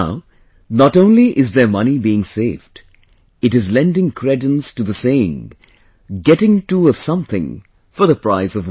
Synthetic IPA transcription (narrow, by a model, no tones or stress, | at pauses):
ʊ | nəɾõʊ̃nliʔɪzðə˞mʌnibiɪ̃ŋseɪvd | ɨɾɨzlɛ̃ndɪ̃ŋkʰɹ̥ɛdə̃nstɨðəseɪɪ̰̃ŋ | ɡɛɾɪ̃ŋtuʌv̥sʌ̃mθɪ̰̃ŋ | fə˞ðəpɹ̥aɪzʌv